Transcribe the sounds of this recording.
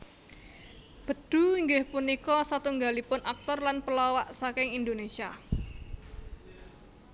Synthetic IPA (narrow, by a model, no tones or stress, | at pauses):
b̥ə̤d̪̥ṳiŋɡɪhpunikɔsat̪uŋɡalipʊnak̚t̪ɔrlanpəlɔwaʔsakɪŋind̪onesia